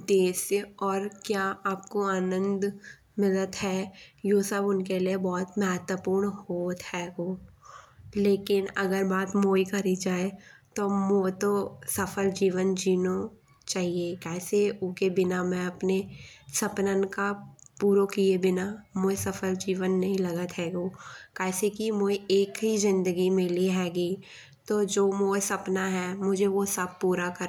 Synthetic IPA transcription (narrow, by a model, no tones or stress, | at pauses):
d̪eːsɔːɾkjaːaːp̚koaːnə̃nd̪ | mɪlət̪ɦɛjosəbʊnkeliebɔːt̪mɛɦət̪wəpuːɾɳhoːt̪ɦhɛɡoː | leːkɪnɐɡəɾbaːt̪moːikɐɾid͡ʒaːet̪omoːt̪osɐfəld͡ʒiːʋənd͡ʒiːno | t͡ʃaːɦiekɛːseʊkebɪnamẽɐpnesɐpnənkapuːɾokiebɪnamoːjsɐfʰəld͡ʒiːʋənːɐɦĩlɐɡət̪ɦɛːɡoːkɛːsekimoːieːkɦizɪ̃nd̪əɡimẽliɦɛːɡi | t̪oːd͡ʒoːmoːsɐpnaɦɛmʊd͡ʒʱeʋosəb̚puːɾakɐɾ